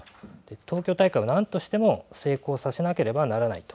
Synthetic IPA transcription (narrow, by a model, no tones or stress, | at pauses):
d̪̥e̞t̪ʰo̞ːkʲo̞ːt̪aikaianãnt̪o̞ɕi̥t̪e̞mo̞se̞ːko̞ːsase̞nake̞ɾe̞banaɾanait̪o̥